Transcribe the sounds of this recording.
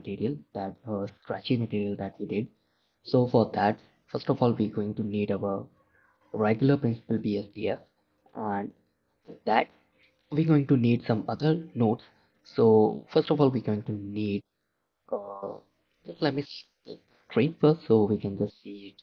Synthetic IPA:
məʈiːɾiəld̪̥æʈ̚əskɾæt͡ʃĩŋməʈiːɾiəld̪æʈʋiɖɪɖ | soːfɔɾd̪æʈ | fʌɾsʈɔfɔːlʋiɡoɪ̃ŋʈuniːɖaʊəɾ | ɾɛɡjləɾpɾɪ̃nsɪ̥pəlbiːɛsdiːɛf | æ̃ɳɖ | d̪æʈ̚ | ʋiːɡoːɪ̃ŋʈuniːɖsʌ̃mʌd̪əɾnoːʈs | soːfəɾsʈɔfɔːlʋiːɡoːɪ̃ŋʈuniːɖ | d͡ʒʌslɛʈ̚mis | ʈɾẽːnfəsʈsoːʋiːkɛ̃nd͡ʒʌsʈsiːɪʈ

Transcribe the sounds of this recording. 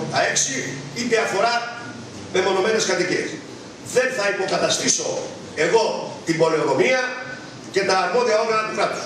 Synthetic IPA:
t̪ɐeksiit̪eɐfo̞ɾɐ | me̞mo̞no̞me̞ne̞skɐt̪icis | ðe̞nθɐipo̞kɐt̪ɐst̪iso̞ | e̞ɣo̞t̪ibo̞leoɾo̞miɐ | ce̞t̪ɐːɾmo̞ðiɐoɣɐɐd̪it̪ɾɐpt̪u̥

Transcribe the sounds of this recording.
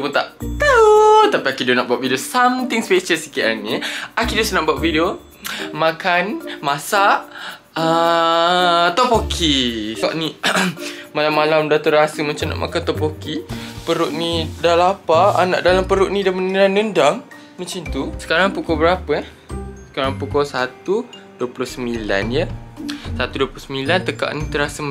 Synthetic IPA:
put̪aʔt̪ət̪apiakidonaʔbuaʔ̚videosamt̪ɪŋspet͡ʃəsi̥kiʔaniakidosanaʔbuaʔvideo | mãkanmãsaʔ | ə | t̪ɔpokʰika̰ʔnĩ | malamːalamdat̪oɾasəmənt͡ʃamna̰ʔmʔa̰kant̪ɔpokipəɾʊʔnidalapaa̰na̰ʔdalampəɾʊʔnĩdamənəndaŋnəndaŋ | mənt͡ʃant̪usə̥kaɾaŋpukɔbəɾapəja | sə̥kaɾaŋpukɔsat̪u | duəplʊhsəmbila̰njəsat̪uduəplʊsəmbilant̪əka̰ʔnit̪əɾasə

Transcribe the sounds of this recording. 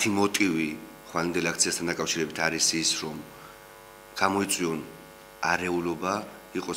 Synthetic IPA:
t̪ʰimɔt̪ʼivi | χwalɛnd̪ɛlakt̪siast̪ʰand̪akʼafʃiɾɛbit̪ʰaɾisisɾɔm | ɡ̥amɔit̪sʼwiɔn | aɾɛulɔba | iqʼɔ

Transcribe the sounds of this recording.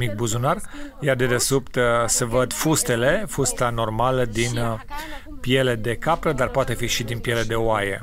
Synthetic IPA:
mik̚buzunarjard̪ed̪e̞supt̪sevəd̪fust̪e̞le̞fust̪ano̞rmaləd̪in | pie̞le̞d̪e̞kapɾəd̪arpoat̪e̞fiʃid̪inpije̞le̞d̪e̞oajḛ

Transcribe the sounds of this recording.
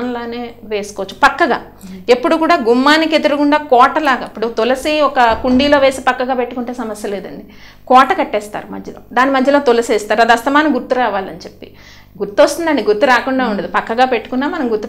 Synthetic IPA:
nlaːne̞ːʋe̞ːsu̥koʋɐt͡ʃːu̥pɐkːɐɡa̰ː | e̞pːuɽukuːɽaːɡumːaːniked̪ɐɾukuɳɖaːkɔːʈɐlaːɡɐipːuɽut̪olɐsiɔkɐkuɳɖiːlo̞ːʋe̞ːsipɐkːɐɡaːpe̞ʈːukuɳʈeːsɐmɐsjɐleːd̪ɐɳɖi | kɔːʈɐkɐʈːɛːst̪a̰ːɾumɐ̰d̪ʱjɐlo̰ːd̪aːnimɐd̪ʱjɐloːt̪olɐseːst̪aːɾɐd̪iɐst̪ɐmaːnɐmɡuɾt̪uɾaːʋaːlɐnit͡ʃe̞pːi̥̰ | ɡuɾt̪uost̪und̪ɐɳɖiɡuɾt̪ːuɾaːkuɳɖaːuɳɖɐd̪ipɐkːɐɡaːpeʈːu̥kunːaːmɐnɐmɡuɾt̪ːu

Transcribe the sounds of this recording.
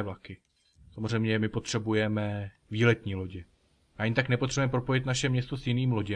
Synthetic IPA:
vlakɪ | samorɛjmɲɛmɪpo̞t̪r̝̥ɛbujɛmɛ | viːlɛt̪ɲiːlo̞ɟɪ | aɲt̪aknɛpot̪r̥ɛbuɛmɛpɾopo̞jɪt̪naʃɛmɲɛst̪osjɪniːmlo̞ɟɛ

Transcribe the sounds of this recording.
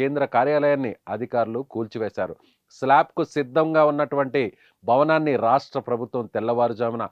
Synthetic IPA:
eːnd̪ɾɐkaːɾjaːlɐjaːnːiɐd̪ʱikaːɾulukuːlt͡ʃiʋeːʃa̰ːɾu | slaːp̚kusid̪ːɐŋɡaːunːɐʈuʋɐɳʈi | bʱɐʋɐnaːnːiɾaːʂʈɾɐpɾɐbʱut̪ʋɐmt̪ɛlːɐʋaːɾud͡ʒaːminɐ

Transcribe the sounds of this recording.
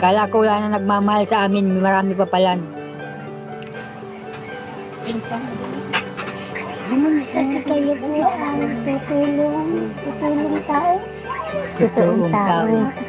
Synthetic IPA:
kaːlakolaːnɐnɐɡ̚maːmahalsɐʔaːmɪnmɪmɐɾaːmɪpapalan | insan | ɡnʊnkɐsɪkɐjopoʔɐŋt̪ʊt̪uːloŋt̪ʊt̪uːlʊŋt̪aːʔo | t̪ut̪uːlʊŋaaːʔo

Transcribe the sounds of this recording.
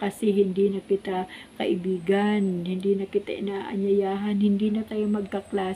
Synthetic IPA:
kɐsɛɦɪnd̪inɐkɪt̪akɐ̰ʔɪbiːɡɐnhɪnd̪iːnɐkɪt̪aʔɪnaːʔɐ̰ɲjɐjaːɦɐnhɪnd̪iːnɐt̪aːjomɐɡ̚kɐklaː

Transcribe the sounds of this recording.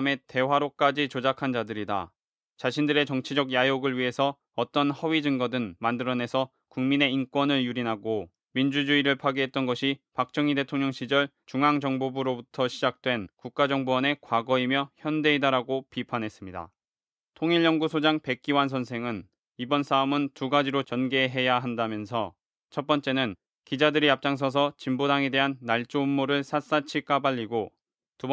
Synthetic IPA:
me̞te̞waɾok͈̚ad͡ʑit͡ɕod͡ʑakʰand͡ʑadɯɾida̰ | t͡ɕaɕʰindɯɾe̞t͡ɕʌŋt͡ɕʰid͡ʑʌɡjajoɡɯɭɥiɦe̞sʰʌ | ʌt͈ʌnhʌɥid͡ʑɯŋɡʌdɯnmandɯɾʌne̞sʰʌ | kuŋmine̞ink͈wʌnɯɭjuɾinɦaɡo | mind͡ʑud͡ʑuiɾɯɭpʰaɡiɦe̞t̚t͈ʌnɡʌɕʰipak̚t͡ɕ͈ʌŋide̞tʰoŋɲʌŋɕʰid͡ʑʌɭ | t͡ɕuŋɦaŋd͡ʑʌŋbobuɾobutʰʌɕʰid͡ʑak̚t͈we̞nkuk̚k͈ad͡ʑʌŋbowʌne̞kwaɡʌimjʌçjʌnde̞idaɾaɡopipʰanɦe̞s͈ɯmɲida̰ | tʰoŋiʎjʌŋɡusʰod͡ʑaŋpe̞k̚k͈iwans̬ʰʌnsʰe̞ŋɯn | ibʌnsʰaomɯntuɡad͡ʑiɾot͡ɕʌnɡe̞ɦe̞jaɦandamjʌns̬ʰʌ | t͡ɕʰʌt̚p͈ʌnt͡ɕ͈e̞nɯn | kid͡ʑadɯɾiap̚t͡ɕ͈aŋs̬ʰʌs̬ʰʌt͡ɕimbodaŋe̞de̞ɦanːaɭt͡ɕ͈oumːoɾɯɭsʰas͈at͡ɕʰik͈abaʎːiɡo | tub

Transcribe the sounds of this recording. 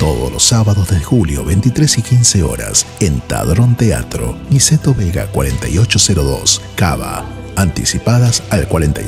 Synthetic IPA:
t̪oðo̰losːaβaðozðelxuljoβent̪it̪ɾesikinseo̰ɾa̰sent̪a̰ðɾont̪ea̰t̪ɾo̰niset̪oβeɣa̰kwaɾent̪ajot͡ʃoseɾoðo̰ska̰βa̰ | ant̪isipaðasalkwaɾent̪a

